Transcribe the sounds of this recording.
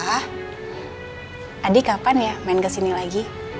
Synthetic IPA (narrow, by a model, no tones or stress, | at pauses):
adikapanjamaɪnkəsinilaɡi